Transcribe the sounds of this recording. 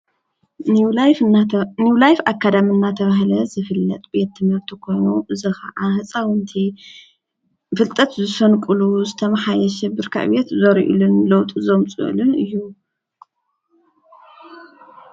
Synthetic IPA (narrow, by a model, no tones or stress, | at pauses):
niwlajfakʰːad̪amɨnːat̪ʰɐβaɦlɐzɨfɨlːɐ̰t̪ʼbe̞t̪ːɨmɐβt̪ʰɨkʰonuʔɨzɐxɐ̰ʔahɨt͡sʼawɨnt̪ʰi | fɨlt̪ʼɐt̪zɨsɐnkʷʼɨluzɨt̪ʰɐmaħajɐʃɛbɨɾkʰa̰ʔbet̪zɐɾʔḭlɨnlɐwt̪ʼuzomt͡sʼɨ̰ʔlɨnɨjːu